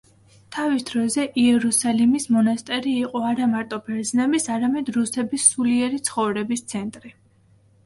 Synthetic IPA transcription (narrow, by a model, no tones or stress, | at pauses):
t̪ʰavisd̪̥ɾɔzɛʔiɛɾusalimismɔnast̪ʼɛɾiːqʼɔaɾamaɾt̪ʼɔbʰɛɾd̪znɛbisaɾamɛd̪ɾusɛbisːuliɛɾit̪sʰχɔvɾɛbist̪sʰɛnt̪ʼɾi